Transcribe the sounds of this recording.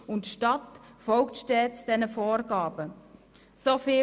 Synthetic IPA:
ʊntʃtɑtfɔlktʃtɛːtsd̥ɛnəfoːrɡ̥ɑːbə | sofiː

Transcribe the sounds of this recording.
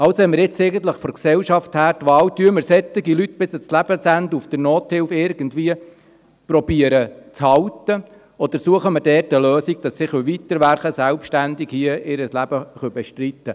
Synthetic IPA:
ɑwsoɛməɾɪt͡sɛɪɡən̩t̪ləχfɔɾksɛwʃɑfthæːɾtʋɑːwtyəməɾsɛt̪ːɪɡilytːb̥ɪsət͡slæb̥əsænd̪əufd̥ənoːt̪hɪlfɪɾɡəndʋiːə | pɾɔb̥iːəɾət͡shɑwtə | ɔd̪əɾsuəχəməɾdɛːtəløːsik̚d̥ɑsːɪχʋøʋit̪ːəɾʋæɾχəsælpʃtænd̪ɪkhiəʔɪɾəslæb̥əχœbɛʃtɾit̪ːə

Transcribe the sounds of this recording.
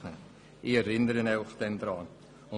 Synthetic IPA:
ə | ʔiɛɾɪnəɾənaʊχd̥̪ɛnd̪ɾɑː | ʊ

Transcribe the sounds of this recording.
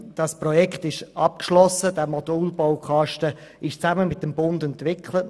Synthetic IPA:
d̥ɑspɾɔjɛkχt̪ɪʃɑp̚kʃlɔsːədɛmɔduːlbowkʰɑʃtə | ɪʃt͡sæməmɪt̚dəmbʊndɛntʋɪkχlət

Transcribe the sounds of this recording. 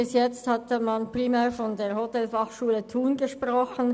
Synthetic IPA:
ɪsjɛt͡sthɑtmɑnpʁ̥imɛːʁfɔndeːɐhotɛlfɑχʃuːlətʰuːnɡəʃpʁɔχən

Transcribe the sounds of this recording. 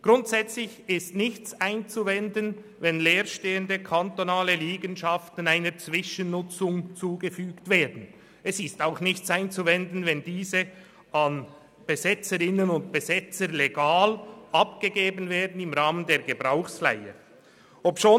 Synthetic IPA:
ɡ̥ʁʊntz̥ɛt͡slɪçɪstnɪçt͡saɪnt͡suvɛndən | vɛnleːɾʃteːəndəkʰantonaːləliːɡənʃɑftən̩aɪnəɾt͡svɪʃənːʊt͡sʊŋt͡suːɡəfyːktv̥eːɐdn̩ | ɛsɪstaʊxnɪçt͡saɪnt͡suvɛndn̩vɛndiːzə | ɑn | b̥əzɛt͡səɾɪnənʊnt̚b̥əzɛt͡səɾleɡaːlʔɑpɡ̥əɡeːbənveːɐdn̩ɪmʁaːməndeːɐɡəbʁaʊxsfla̰ɪə̰ | ʔopʃoː

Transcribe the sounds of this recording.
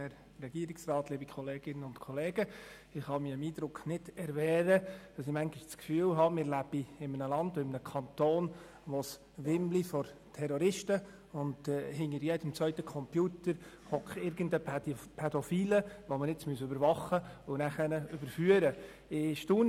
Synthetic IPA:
ɛɾ | rɛɡ̥iəɾɪksrɑːtliːbikʰɔleːɡ̥ɪnːənʊntkʰɔleːɡ̥ə | ɪχhɑmiəmiːdɾʊkχnɪdɛɾʋɛːɾəd̥ɑsɪmæŋɡɪʃt͡skfyːlɦɑmɪɾlæb̥iɪmənəlɑndoɪmənəkʰɑnt̪oːn | ʋos | ʋɪmlifɔɾtʰɛɾɔɾɪʃtə | ʊndɛhɪŋəɾjɛdəmt͡sʋœʏtəkʰɔmpjuːtəɾ | hɔkχɪɾɡəndəpʰɛdɔfiːləʋomənɪt͡smyəsøbəɾvɑχːəʊnæχənəʏb̥əɾfyəɾə | ɪʃtuːn

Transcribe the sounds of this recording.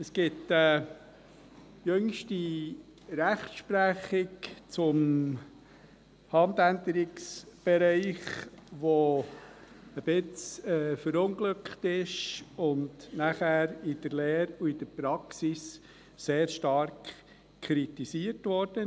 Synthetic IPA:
əsɡ̥ɪtə | jøŋʃti | ɾæχtʃpɾæχɪkt͡sʊm | hɑndændəɾɪksb̥ɛɾɛɪχʋo | əb̥ɪt͡sɛfəɾʊŋɡlʏkχtɪʃʊndnæχæːɾɪd̥əɾlɛːɾuɪd̥əɾpɾɑksis | seːɾʃtɑɾk | kʰɾitisiəɾtʋɔɾd̥ə

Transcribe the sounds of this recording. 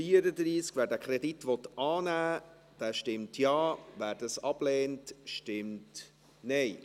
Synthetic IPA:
fiəɾəd̪ɾiːskvæːɾdæːkʰɾɛditʋɔtɑːnæː | d̥æːʃtɪmtʰjɑːvæːɾdɑsɑb̥lɛːntʃtɪmt | nɛɪ

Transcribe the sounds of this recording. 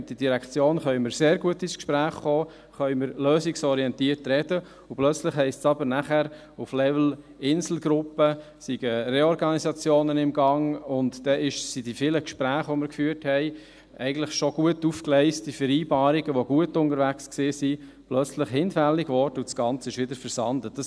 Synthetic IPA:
d̪idiɾækt͡sjoːnχœʏmɪɾseːɾɡuətɪskʃpɾæːχχoː | χœʏməɾløːsiksɔɾiɛntiːəɾtɾɛd̥ə | uplœt͡slɪχhɛɪstsɑbəɾnæχæɾ | uflɛvl̩ | ɪnzl̩ɡɾʊpːə | siɡ̥əreɔɾɡɑnisɑt͡sjoːnənɪmɡɑŋʊntd̥ɛɪʃsidifiːləkʃpɾæːχʋɔmɪɾkfyːəɾthɛɪ | ʔɛ̰ɪɡən̩tlɪχʃoɡ̥uətufklɛɪst̚d̥ifɛɾiːbɑːɾiɡəʋoɡ̥uətʊndəɾʋæksksɪːsi | plœt͡slɪχhɪnfælːɪɡvɔɾd̥əudsɡ̥ɑnt͡səɪʃʋɪdəɾfəɾsɑndəd̥ɑs

